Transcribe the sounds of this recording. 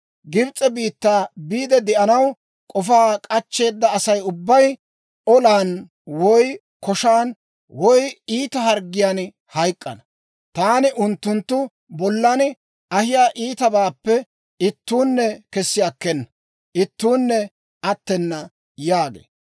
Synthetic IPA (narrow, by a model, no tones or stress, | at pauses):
ɡɪbt͡sʼːɛbiːt̪ːaːbiːd̪ɛd̪ɛʔɐnɐw | kʼɔfaːkʼɐt͡ʃːe̞ːd̪ːɐːsɐjʊbːɐj | ɔlaːn | wɔj | kɔʃaːn | wɔjiːt̪ɐhɐɾɡɪjaːn | hɐjkʼːɐ̰nɐ | t̪aːnɪʔʊnt̪ːʊnt̪ːʊ | bɔlːɐn | ɐhɪjaːʔiːt̪ɐbaːpːɛ | ɪt̪ːuːnːɛkɛsːɪjakːɛnːɐ | ʔɪt̪ːuːnːɛ | ɐt̪ːɛnːɐ | jaːɡḛː